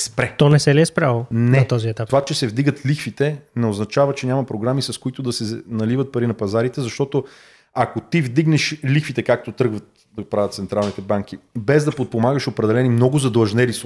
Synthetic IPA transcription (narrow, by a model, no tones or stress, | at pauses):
spɾɛtt̪ɔnɛsɛliɛspɾalˠonɛt̪ɔziɛt̪ap̪ovat͡ʃɛsɛvd̪iɡət̪lixfit̪ɛnɛoznɐt͡ʃavɐt͡ʃɛɲʲamɐpɾoɡɾamisɐskoit̪ʊd̪ɐsɛnɐlivət̪̚pɐɾinɐpɐzaɾit̪ɛzɐʃt̪ɔt̪o | ɐkot̪ivd̪iɡnɛʃlixfit̪ɛkak̚t̪ot̪ɾɤɡvət̪̚ | d̪ɐɡpɾavət̪sɛnt̪ɾalˠnit̪ɛbaŋk̟ibɛzd̪ɐpot̪̚pomaɡəʃopɾɛd̪ɛlɛnimnɔɡʊzɐd̪lˠɐʒnɛlis